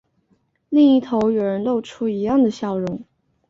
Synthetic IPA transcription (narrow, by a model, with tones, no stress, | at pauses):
li˥˧ŋi˥˩t̪ʰo˧˥ʊjo˨˩ʊɻə˧˥nlo˥˧ʊʈ͡ʂʰu˥i˧˥jɑ˥˩ŋd̪ə˩ɕjɑ˥˩ʊɻʊ˧˥˦ŋ